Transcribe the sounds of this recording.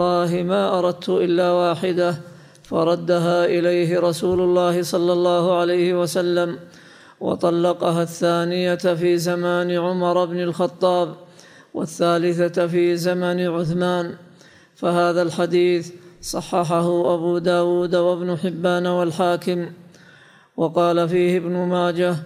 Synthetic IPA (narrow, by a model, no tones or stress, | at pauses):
lːɑːɦɪmaːʔɑɾˤɑd̪̚t̪ʊʔɪlːaːwaːħɪd̪a | fɑɾˤɑd̪ːaɦaːʔɪlajɦɪɾˤɑsuːlʊlːɑːhɪsˤɑlːɑlːɑːhʊʕalajhɪwasalːam | wɑ̰t̪ˤɑlːɑqɑɦaθːaːnɪjafiːzamaːnɪʕʊmɑɾˤbnɪlxɑt̪ˤːɑːb | wa̰θːaːlɪθafiːzamanɪʕʊθmaːn | fahaːðalħad̪iːθsˤɑħːɑħaɦʊʔabuːd̪aːwuːd̪awabnʊħɪbːaːnwalħaːkɪm | wɑqɑːlafiːhɪbnʊmaːd͡ʒa